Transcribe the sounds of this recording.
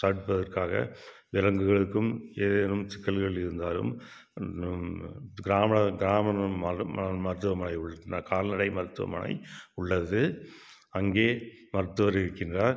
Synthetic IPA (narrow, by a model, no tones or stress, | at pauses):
sɐɽɯʈ̚pːɐðɐrkaːɣɐ̰ | ʋɪlɐŋɡɯɣɐɭɯkːɯmeːðeːnɯmt͡ʃɪkːɐlɣɐɭɪɾɯnd̪aːlɯ̰m | ɡɪɾaːmɪɐɡɪɾaːmɐnɐmɐɐmɐɾɯt̪ːɯʋɐmɐnɐɪʊɭːɐnaːkaːlnɐɽɐɪmɐɾɯt̪ːɯʋɐ̰mɐ̰nɐ̰ɪʊɭːɐðɯ | ɐŋɡeː | mɐɾɯt̪ːɯʋɐɾɪɾɯkːɪndrɐ